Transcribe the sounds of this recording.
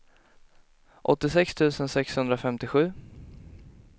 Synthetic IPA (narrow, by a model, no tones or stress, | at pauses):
ʔɔt̪ːɪsɛkst̪ʰʉ̟ːsənsɛkshɵnd̪ɾafɛmt̪ɪɧʉ̟ː